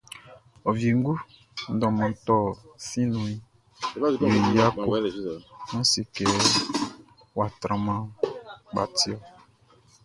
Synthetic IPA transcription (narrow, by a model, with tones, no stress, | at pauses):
ɔ˨vje˨ŋ̩˦ɡu˦ | n̩˦dɔ̃˨mã˨tɔ˦˨sĩ˦nũ˨i˨˦ | we˨ja˦ku˦ | nɔ̃˦si˨kɛ˨ | wa˨t̪ɾã˨mã˦ɡ͡ba̰˨ti˦ɔ˨